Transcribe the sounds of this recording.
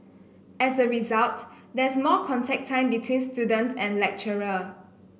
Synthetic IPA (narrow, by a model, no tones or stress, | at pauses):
ɛsəɹizalt | dɛsmɔkʰɔ̃ntʰɛk̚tʰːãɪ̃mbitʰwĩnstjudə̃ntʰɛ̃nlɛk̚t͡ʃəɹə